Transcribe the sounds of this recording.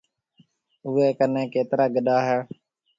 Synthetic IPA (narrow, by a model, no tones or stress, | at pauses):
uːeːkənẽːkeːt̪ɾaːɡəɗaːɦɛː